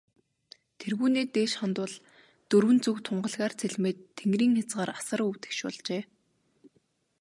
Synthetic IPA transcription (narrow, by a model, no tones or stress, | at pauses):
t̪ʰerɣuːneːt̪eːʃχɔnt̪ʊ̆ːɮ | t̪ɵrwɘ̆nt͡sɵkt̪ʰʊɴɢə̆ɮɣaːrt͡sʰeɮmeːt̪ʰːeŋɡriːŋxʲat͡sɢaːɾḁsə̆ɾuwt̪e̥kʃʊ̰ɮt͡ɕeː